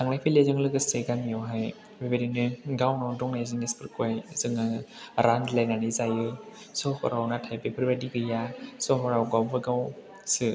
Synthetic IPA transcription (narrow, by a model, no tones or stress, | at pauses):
aŋnajpʰilezɯŋlɯɡɯseɡamijɔwɦaj | bebeɾinɯɡawnɔdɔŋnajzɯnespɯɾkuajzɯŋɯɾandlajnanɯzajɯ | sɔkɔ̰ɾawnatʰajpepʰɯɾbadiɡɯjasɔɦɔɾawɡawbɯɡaw | sɯ